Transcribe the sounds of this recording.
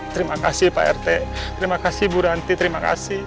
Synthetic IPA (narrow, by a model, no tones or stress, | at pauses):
t̪əɾimakasihpa̰ɛ̰rt̪ɛt̪əɾimakasihbuɾant̪it̪əɾimaka̰sih